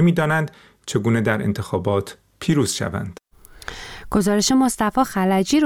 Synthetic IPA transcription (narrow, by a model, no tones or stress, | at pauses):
miːd̪ɒːnænd̪ | t͡ʃʰe̞ɡuːned̪æɾʔḛnt̪ʰe̞xɒːbɒːt̪ʰ | pʰiːɾuːz̥ʃæ̰væ̰nd̪̥ | ɡ̥o̞zɒːɾe̞ʃe̞mo̞st̪æfɒːxælæd͡ʒiːɾ